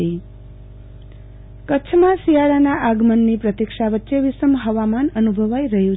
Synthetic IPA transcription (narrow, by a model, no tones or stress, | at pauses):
i | kətːt͡ʃʰmãsijaɭanaʔaɡmənːipɾət̪ikʃaʋətːʃeʋɪsəmɦəʋamanənubʱəʋajɾəɦjũ